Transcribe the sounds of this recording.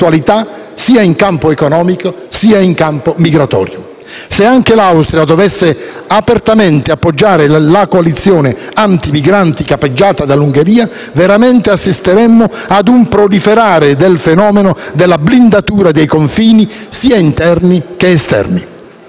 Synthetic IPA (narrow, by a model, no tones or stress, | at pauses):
ualit̪a | siːaiŋkampoekonɔːmiko | siːaiŋkampomiɡɾat̪ɔ̰ːɾjʊ | seaŋk̟elawst̪ɾiad̪ovɛsːeapert̪ament̪eapːod͡ʒːaːɾelakoalit̪sːjoːneant̪imiɡɾant̪ikapːed͡ʒːaːt̪ad̪alːuŋɡeɾiːa | veɾament̪easːist̪eɾɛmːo | ad̪umpɾolifeɾaːɾed̪elfenɔːmenod̪elːablind̪at̪uːɾad̪ejkoɱfiːnisiːaint̪ɛrnik̟eːst̪ɛ̰rni